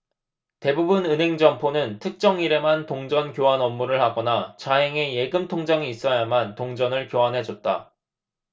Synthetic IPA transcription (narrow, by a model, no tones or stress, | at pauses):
te̞bubɯnɯnɦe̞ŋd͡ʑʌmpʰonɯntʰɯk̚t͡ɕ͈ʌŋiɾe̞mantoŋd͡ʑʌnkjoɦanʌmːuɾɯɭhaɡʌnat͡ɕaɦe̞ŋe̞je̞ɡɯmtʰoŋd͡ʑaŋiːs͈ʌjamantoŋd͡ʑʌnɯɭkjoɦanɦe̞d͡ʑʌt̚t͈a̰